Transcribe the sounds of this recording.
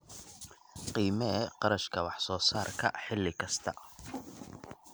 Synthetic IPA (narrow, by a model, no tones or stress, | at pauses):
qiːmɐɛqɑɾɐʃkʰɐwɑħsɔːsaːrkʰɐ̰ħɪlːɪkʰɐst̪ʰɐ